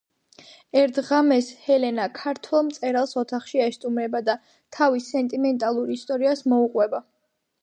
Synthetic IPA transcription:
ɛɾt̪ʰʁamɛshɛlɛnakʰaɾt̪ʰwɛlˠmt̪sʼɛɾalˠsɔt̪ʰaχʃiaɛst̪ʼumɾɛbad̪a | t̪ʰavisɛnt̪ʼimɛnt̪ʼalˠuɾist̪ʼɔɾiasmɔuqʼwɛba

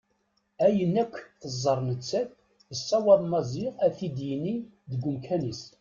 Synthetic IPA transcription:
æjənːækʷːθəzˤːəɾˤnət͡sːæθ | əsːɑwɑðˤmɑziʁæθid̪jiniðəɡʷːʊmkʰænis

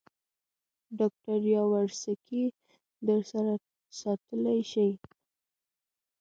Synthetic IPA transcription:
ɖɑk̚ʈaɾjɑwaɾsakʰi | d̪əɾsaɾa | sɑt̪əlajʃəj

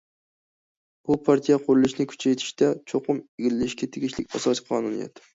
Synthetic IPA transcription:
b̥upʰɑɾt̪ʰijɛqʰʊɾɨlˠɪʃnɪkʲʰy̥t͡ʃʰɛjt̪ʰɪ̥ʃt̪ʰɛt͡ʃʰoqʊmeɡʲilɪlɪʃkʲɛt̪ʰeɡʲiʃlɪkʲɑsɑsʲqʰɑːnunḭjɛ̰t̪

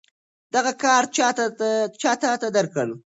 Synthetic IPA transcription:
d̪̥aɣakɑɾt͡ʃɑt̪at͡ʃɑt̪at̪ad̪əɾkalu

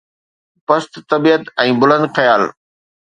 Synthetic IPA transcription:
pɐst̪t̪ːɐbiːət̪ɛ̃ːbʊlə̃nd̪xɐjaːl

